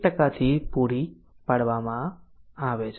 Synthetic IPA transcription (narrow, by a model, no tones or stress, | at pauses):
ʈəkat̪ʰipuɾi | paɽʋamãaʋet͡ʃʰ